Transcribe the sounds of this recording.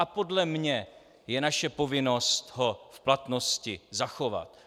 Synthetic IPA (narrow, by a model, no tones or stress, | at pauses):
apo̞dlɛmɲɛ | jɛnaʃɛpo̞vɪno̞st̪ɦofplat̪no̞scɪzaxo̞va̰t̪